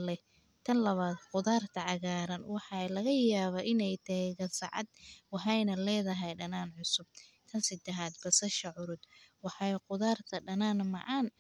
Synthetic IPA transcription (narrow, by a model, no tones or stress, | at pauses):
lɛ | t̪ʰɐnlɐβaːd̪qʊðaːrt̪ʰɐʕɑɣaːɾɐnwɑħɑlɐɣɐjaːβɐʔɪnɛjt̪ʰɐɛɣɐsɑ̰ʕɑ̰d̪wɑħɛjnɐlɛːðɐɦɛjɖɐnaːnʕʊsʊb̥̚t̪ʰɐnsɪd̪ɛɦaːd̪̚bɐsɐʃɐʕʊɾʊd̪wɑħɑjqʊðaːrt̪ʰɐɖɐnaːnmɑ̰ʕɑːn